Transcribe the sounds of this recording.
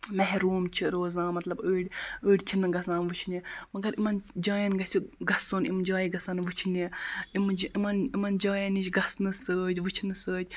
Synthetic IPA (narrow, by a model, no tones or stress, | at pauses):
mɛɦɾuːmt͡ʃʰiɾoːzãːmɐt̪lɐbəːɽʲəːɽʲt͡ʃʰinɨɡɐsãːnʋut͡ʃʰnimɐɡɐɾimɐnd͡ʒaːjɐnɡɐsʲiɡɐsoːnimd͡ʒaːjiɡɐsaːnʋɨt͡ʃʰiniimd͡ʒimɐnimɐnd͡ʒaːjɐnit͡ʃʲɡɐsnɨsəːd͡ʒʲʋɨt͡ʃʰnɨsəːd͡ʒʲ